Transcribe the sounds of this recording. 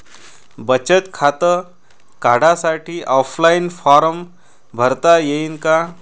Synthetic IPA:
bət͡ʃət̪kʰat̪ə | kaɽasaʈʰiʔɔpʰlainpʰaɾəm | bʱəɾt̪ajeiŋka

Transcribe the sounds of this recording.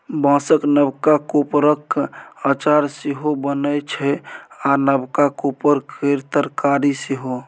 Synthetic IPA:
bãsəknəbkakopɾəkat͡ʃaɾseɦobənət͡ʃʰɛanəbkakopəɾkeɾt̪əɾkaɾiseɦo

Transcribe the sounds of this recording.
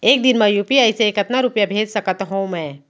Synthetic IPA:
eːk̚d̪ɪnmãjuːpiəɪseeːkət̪naɾʊpjabʱeːd͡ʒsəkət̪ɦõːmɛ̃ː

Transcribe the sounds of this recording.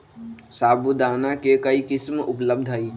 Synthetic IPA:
saːbʱud̪aːnakekəikɪsmʊpləb̚d̪ʱɦəi

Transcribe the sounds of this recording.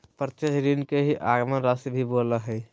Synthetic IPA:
pɾt̪et͡ʃɾinkeɦiʔaɡmənɾasibʱiboləɦəj

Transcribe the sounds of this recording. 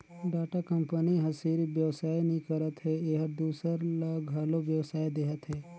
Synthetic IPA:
ɖaːʈakəmpəniɦɐsiːɾbjəʋsaːjnĩkəɾət̪ɦeeːɦəɾd̪uːsəɾləɡɦɐlobjəwsaːjd̪eːɦət̪ɦeː

